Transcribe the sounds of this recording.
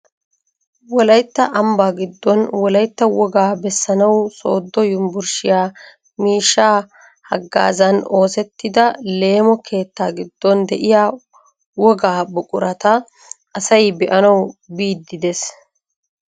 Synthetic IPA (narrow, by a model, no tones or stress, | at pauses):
wɔlɐjt̪ːɐʔɐmbaːɡɪd̪ːɔnwɔlɐjt̪ːɐwɔɡaːbɛsːɐnɐwso̞̰ːd̪ːɔjʊmbʊɾʃɪjaː | miːʃːaː | hɐ̰ɡːa̰ːzɐno̞ːsɛt̪ːɪd̪ɐle̞ːmɔkʰe̞ːt̪ːaːɡɪd̪ːɔnd̪ɛʔɪjaː | wɔɡaːbɔkʼʊɾɐt̪ɐ | ʔɐsɐjbɛʔɐnɐwbiːd̪ːɪd̪es